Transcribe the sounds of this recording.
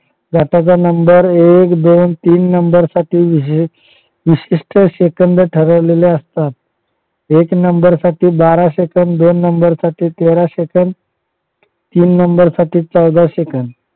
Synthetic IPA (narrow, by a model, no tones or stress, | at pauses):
ɡʱaʈat͡sanəmbəɾekd̪ont̪iːnːəmbəɾsaʈiːʋ | ʋiɕiʂʈʰəɕekənd̪əʈʰəɾəʋleleəst̪at̪̚ | eknəmbəɾsaʈiːbaɾaɕekəɳd̪onːəmbəɾsaʈʰiːt̪eɾaɕekən | t̪iːnːəmbəɾsaʈiːt͡səwd̪aɕekəɳ